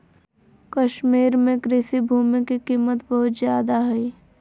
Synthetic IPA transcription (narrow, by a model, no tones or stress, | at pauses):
kɐʃmiːɾmẽkɾɪsibʱuːmikikiːmət̪bəɦʊt̪zjaːd̪aɦɛi